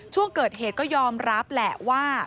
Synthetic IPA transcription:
t͡ɕʰu˥˩əŋkɤː˨˩t̪̚heː˨˩t̪̚kɔː˥˩jɔː˧mɾa˦˥p̚lɛ˨˩waː˥˩

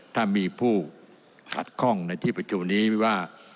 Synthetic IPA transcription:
t̪ʰaː˥˩miː˧pʰuː˥˩ | kʰa̰˨˩t̪̚kʰɔ˥˩ŋna˧jt̪ʰiː˥˩pa˧t͡ɕʰu˧mniː˦˥waː˥˩

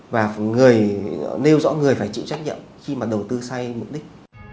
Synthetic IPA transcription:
vaː˨˩ŋɨ˨˩əjne˧wzɔ̰ː˧˥ŋɨ˨˩əjfaː˧˩jt͡ɕḭ˧˨wt͡ɕa˦˥k̟̚ɲḭ˧˨mxi˧maː˨˩ɗə˨˩wt̪ɨ˧sa˧jm˨˩k͡p̚ɗï˦˥k̟̚

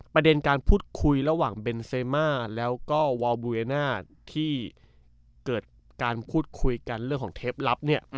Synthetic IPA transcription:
pɾa˧de˧nkaː˧npʰuː˥˩t̪̚kʰu˧jɾa˧waː˨˩ŋbe˧nseː˧maː˥˩lɛː˦˥wkɔː˥˩wa˧wbuː˧ɾe˧naː˥˩ | t̪ʰiː˥˩ | kɤː˨˩t̪̚ | kaː˧npʰuː˥˩t̪̚kʰu˧jka˧nɾɯ˥˩ŋkʰɔː˩˦ŋt̪ʰeː˦˥p̚la˦˥p̚ni˥˩ɐ

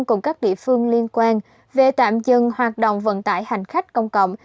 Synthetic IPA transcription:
ŋkʊ˨˧˩ŋ͡mkaː˦˥k̚ɗḭ˧˨əfɨ˧əŋli˧ənkwaː˧n | ve˨˩t̪a̰ː˧˨mzɨ˨˩ŋhwaː˨˩t̚ɗo̰˧˨wŋ͡mvə̰˧˨nt̪a̰ː˧˩jha˨˩jŋ̟xa˦˥jk̟̚kə˧wŋ͡mkə̰˧˨wŋ͡m

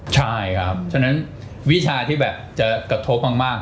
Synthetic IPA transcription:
t͡ɕʰa˥˩jkʰa˦˥p̚t͡ɕʰa˥na˦˥n | wi˦˥t͡ɕʰaː˧t̪ʰiː˥˩bɛː˨˩p̚t͡ɕa˨˩kɾa˧t̪ʰo˦˥p̚maː˥k̚maː˥˩k̚

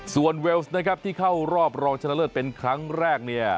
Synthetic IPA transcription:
su˨˩ənwe˧˥wsna˦˥kʰa˦˥p̚t̪ʰiː˥˩kʰa˥˩wɾɔː˥˩p̚ɾɔː˧ŋt͡ɕʰa˧nːa˥lɤː˥˩t̪̚pe˧nkʰɾa˦˥ŋɾɛː˥˩k̚ni˥˩ɐ

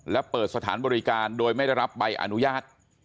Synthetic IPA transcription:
lɛ˦˥pɤː˨˩t̪̚sa˧t̪ʰaː˩˦nbɔː˧ɾi˦˧kaː˧ndoː˧jma˥˩jda˥˩jɾa˦˥p̚ba˧jʔa̰˧nu˦˥jaː˥˩t̪̚

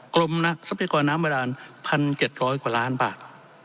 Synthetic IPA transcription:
kɾo˧mna˦˥ʔ̚sa˧˦pa˧jaː˧kɔː˧nːaː˦˥mːa˧daː˧npʰa˧nt͡ɕe˨˩t̪̚ɾɔː˦˥jkwaː˨˩laː˦˥nbaː˨˩t̪̚

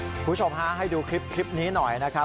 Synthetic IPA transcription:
kʰu˨˩˦t͡ɕʰo˧mɦaː˦˥˩ɦa˥˩jduː˧kʰɾi˦˥p̚kʰɾi˦˥p̚niː˦˥nɔ˨˩jna˦˥kʰa˦˥

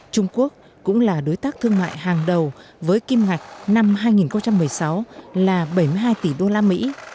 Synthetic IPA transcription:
t͡ɕʊ˧ŋ͡mku˦˥ək̚ːʊ̰˧˥ŋ͡mlaː˨˩ɗo˨˦jt̪aː˦˥k̚t̪ʰɨ˧əŋma̰ː˧˨jhaː˨˩ŋɗə˨˩w | vəː˨˦jki˧mŋa˨˩jk̟̚na˧mɦaː˧jŋi˨˩nxə˧ŋ͡mt͡ɕa˧mːɨ˨˩əjsa˨˦wlaː˨˩ɓə˧˩jmɨ˧əɦaː˧jt̪i˧˩ɗo˧laː˧mḭ˧˥

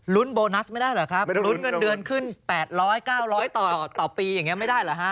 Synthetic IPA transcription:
lu˦˥nboː˧na˦˥sma˥˩jdaː˥˩jlɛː˨˩˦kʰa˦˥p̚lu˦˥nŋɤ˧dɯ˧ənkʰɯ˥˩npɛː˨˩t̪̚ɾɔː˦˥jkaː˥˩wɾɔː˦˥jt̪ɔː˨˩t̪ɔː˨˩piː˧ja˨˩ŋːi˦˥ɐma˥˩jdaː˥˩jlɛ˨˩˦ha˦˥ʔ

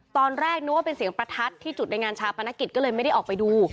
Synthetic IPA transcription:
t̪ɔː˧nɾɛː˥˩k̚nɛ˦˥wa˥pe˧nsi˩əŋpɾa˧t̪ʰa˦˥t̪ʰːiː˥˩t͡ɕu˨˩na˧jŋaː˧nt͡ɕʰaː˧˩wpʰa˧na˦˥ki˨˩t̪̚kɔː˥˩lɤː˧jma˥˩jda˥˩ʔɔː˨˩k̚pa˧jduː˧

